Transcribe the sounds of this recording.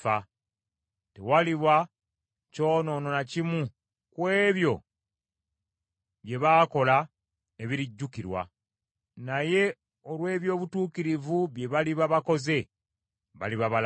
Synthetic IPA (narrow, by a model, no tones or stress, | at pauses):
a | tewaliβa | co̞ːno̞ːno̞nacimu | kwe̞ːβjo̞ | βje̞βaːko̞la | eβiɾiɟːukiɾwa̰ | naje̞ | olwe̞ːβjo̞ːβutuːkiɾivuβje̞βaliβaβako̞ze̞ | βa̰liβaβal